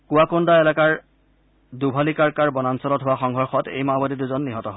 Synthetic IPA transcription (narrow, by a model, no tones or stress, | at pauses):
kuwakʊndaɛlakaɹ | dubʱalikaɹkaɹbɔnansɔlɔtɦʊwaxɔŋɦɔɹxɔtḛjmabadiduzɔnːiɦɔtɔɦɔ